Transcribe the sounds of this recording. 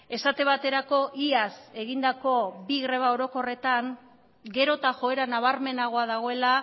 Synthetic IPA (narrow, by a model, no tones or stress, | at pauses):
e̞sat̪e̞β̞at̪e̞ɾako̞ʔiase̞ɣind̪ako̞biɣɾe̞β̞ao̞ɾo̞ko̞re̞t̪aŋ | ɡe̞ɾo̞t̪aʝo̞e̞ɾanaβ̞aɾme̞naɣ̞o̞aðaɣ̞o̞e̞la